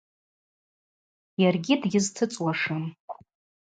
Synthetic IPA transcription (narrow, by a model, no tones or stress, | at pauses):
jarɡʲidɡʲɪztʰɨt͡sʼwaʂɨm